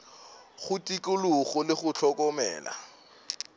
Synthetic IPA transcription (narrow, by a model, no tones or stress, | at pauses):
χʊtʼikʼʊluχɔlɪχʊt͡ɬʰɔkʼɔmɛ̰ːla̰